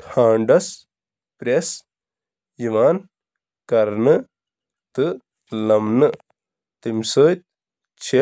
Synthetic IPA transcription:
ʈʰaːɳɖɐs | pɾes | jiʋaːn | kɐɾnɨ | t̪ɨ | lɐmnɨ | t̪imsəːjt̪̚ | t͡ʃʰe

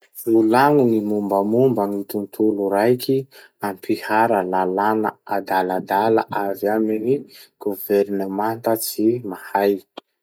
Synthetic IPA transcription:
lulaŋunimumbəmumbəŋit̪unt̪ʰuluɾajki | ampihaɾəlalana̰ad̪alad̪ala̰ʔaviaminiɡ̥uveɾnəmant̪ət͡simahaj

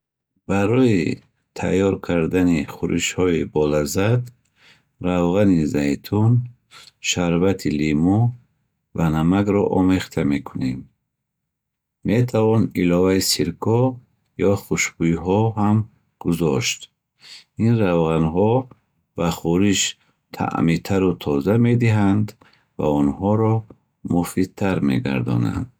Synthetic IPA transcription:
b̥aɾɔi | t̪ʰa̰jɔɾkʰaɾd̪aniχuɾʔḭʃhɔibɔlazad̪ | ɾavʁanizajt̪ʰun | ʃaɾvat̪ʰilimu | vanamaɡɾɔʔɔmeχt̪ʰame̞kʰunem | me̞t̪ʰavɔnilɔvaisiɾkʰɔ | jɔχuʃbuiɦɔɦam | ɡ̥uzɔʃt̪ | inɾavʁanɦɔ | vaχuɾiʃ | t̪ʰa̰ʔmit̪ʰaɾut̪ʰɔzame̞d̪iɦand̪ | va̰unhɔɾɔ | mufid̪̚t̪ʰaɾmḛɡa̰ɾd̪ɔ̰na̰nd̪̥

